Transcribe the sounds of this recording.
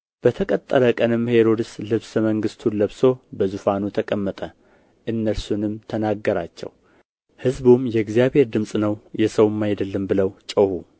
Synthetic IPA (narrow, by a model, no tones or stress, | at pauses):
b̥ət̪ʰəkʼət̪ʼːəɾəkʼənɨmhe̞ɾo̞d̪ɨslɨβsməŋɡɨst̪ʰuləβso̞bəzufanut̪ʰəkʼəmːət̪ʼə | ʔɨnːəlsunɨmt̪ʰənaɡːəɾa̰t͡ʃːɛ̰w | hɨzbumjɛɡzjaβhe̞ɾd̪ɨmsʼnəwjɛsəwmːajd̪əlːəmbɨləwt͡ʃʼəhu